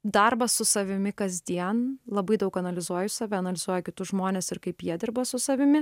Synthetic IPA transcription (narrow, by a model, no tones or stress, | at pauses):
d̪ɐrbɐssʊsɐʋʲɪmʲɪkɐzʲd̪ʲiɛnlˠɐbɐɪd̪ɐʊkɐnɐlʲɪzuɔjʊssɐːʋʲɛɐnɐlʲɪzuɔjɛkʲɪt̪ʊsʒmoːnʲeːsɪɾkɐɪpjiɛd̪ʲɪɾbɐsʊsɐʋʲɪmʲɪ